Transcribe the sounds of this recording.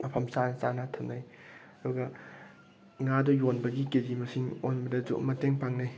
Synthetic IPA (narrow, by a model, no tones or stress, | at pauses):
mɐpʰɐmsanɐsanɐtʰɐmnaj | ɐduɡɐ | ŋadujonbɐɡikezimɐsiŋonbɐdɐzṵmɐteŋpaŋnaj